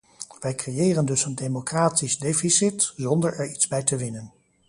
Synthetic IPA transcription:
ʋɛjkrejɪːrəndɵsəndejmokraːtizdejfisɪtzɔndəɹɛɹidzbɛjtəʋɪnən

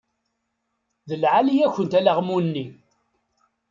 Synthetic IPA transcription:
ðəlʕalijæçənt̪ælaʁmunːi

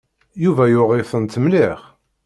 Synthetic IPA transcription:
juvæjʊʁɪfənt̪ʰːəmlɪχ

